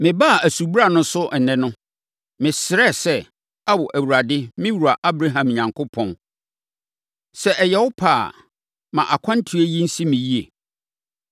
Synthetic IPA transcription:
mɪ̃˨ba˦˨æ˨su˨bɾa˨nʊ̃˦sʊ˦ʔɛ˨nɛ̃˦nʊ̃˦ | mɪ̃˨sɪ˨ɾɛ˦˨sɛ˦ | a˦wɔ˨ʔæ˨wu˨ɾa˨dɪ˦mɪ̃˦wu˨a˨ʔa˦bɾa˦ɦã˨mɲã˨ŋkʰʊ˦pʰɔ̃˨n | sɛ˦ʔɛ˨jɛ˦wʊ˦pʰaː˦˨ | mã̰˨ʔa˨kʷʰã˦n˦tʰi˨˦e˦ji˦n̩˦si˦mɪ̃˨ji˦ḛ˨

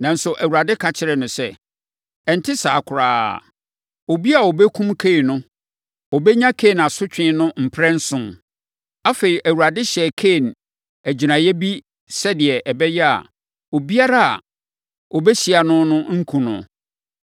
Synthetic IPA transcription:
nã˨n̩˦sʊ˨ʔæ˨wu˨ɾa˨dɪ˦kʰa˨t͡ɕʰɪ˨ɾɛ˨nʊ̃˨sɛ˦ | ɛ˨n̩˨tʰɪ˦sa̰ː˨kʰʊ˨ɾaː˦˨ | o˨bi˦a˨wɔ˨bɛ˦kʰũ˦mkʰe˦˨nʊ̃˦ | ɔ˨bɛ˦ɲã˦kʰe˦˨na˨sʊ˦t͡ɕᶣɪ̃˦nʊ̃˦m̩˨pʰɾɛ̃˦n̩˦sʊ̃˦m | a˦fe˨ɾi˨ʔæ˨wu˨ɾa˨dɪ˦ɕɛ˨kʰe˦˨n | æ˨d͡ʑi˨nã˨jɛ˦bi˦ | sɛ˦dɪ˨ɛ˨ʔɛ˨bɛ˦jɛ˦a̰˨ | o˨bi˦a˦ɾa˦a̰˨ | ɔ˨bɛ˦ɕi˨a˨nʊ̃˦nʊ̃˦ŋ̩˦kʰũ˨nʊ̰̃˨

